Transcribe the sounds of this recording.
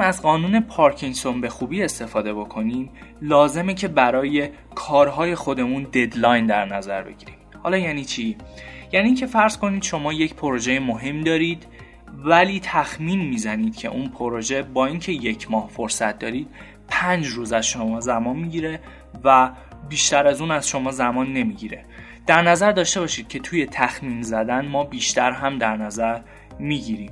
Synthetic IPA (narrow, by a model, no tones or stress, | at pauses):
æzɢɒːnuːne̞pʰɒːɾcʰiŋso̞nbe̞xuːbiːe̞st̪e̞fɒːd̪e̞bo̞kʰo̞niːmlɒːze̞mecʰe̞bæɾɒːje̞ | kʰɒːɾɦɒːje̞xo̞d̪e̞mund̪e̞d̪lɒːjnd̪æɾnæzæ̰ɾbe̞̰ɟiːɾiːmhɒ̰ːlɒːjæːniːt͡ʃʰijæːniːŋcʰe̞fæɾz̥ko̞niːd̪̥ʃo̞mɒːje̞cpʰoɾoʒejemoɦe̞md̪ɒːɾiːd̪̥ | væliːt̪ʰæxmiːnmiːzæniːd̪̥̚cʰe̞̰ʔunpʰoɾoʒe̞bɒːiːncʰe̞je̞cʰmɒːhfoɾsæt̪̚ʰd̪ɒ̰ːɾiːd̪̥ | pʰænd͡ʒɾuːzæzʃo̞mɒːzæmɒːnmiɟiːɾe | væ | biːʃt̪æɾæzuːnæz̥ʃo̞mɒːzæmɒːnːe̞miːɟiɾe̞ | d̪̥æɾnæzæɾd̪ɒːʃt̪e̞βɒːʃiːd̪̥̚cʰe̞t̪ʰuːje̞t̪ʰæxmiːnzæd̪ænmɒːbiːʃt̪æɾɦæmd̪æɾnæzæɾ | miːɟiɾiːm